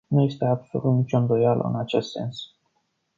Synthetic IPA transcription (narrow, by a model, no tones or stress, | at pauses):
nuje̞st̪e̞ab̥so̞̰lut̪nit͡ʃo̞nd̪o̞jalʔə̰ɨ̰nat͡ʃe̞st̪se̞̰ns